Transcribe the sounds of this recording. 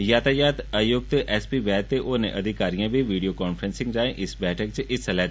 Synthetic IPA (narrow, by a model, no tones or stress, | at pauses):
jaːt̪aːjaːt̪əjʊk̚t̪ʔɛːspiʋɛːt̪eʔoːnḛʔɐd̪ʱɪkaːɾijãbʱiʋiːɖijokaːnfɾə̃nsɪ̃ŋɡd͡ʒaːẽʔɪsbɛːʈʰək̚t͡ʃeʔɪsəlɛː